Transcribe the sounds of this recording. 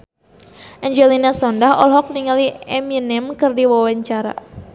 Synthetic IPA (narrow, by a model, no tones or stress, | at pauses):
ʔɛɲd͡ʒɛlinasɔndaɦɔlɦɔk̚niŋaliɛminɛmkɨrdiwawaɲt͡ʃaɾa̰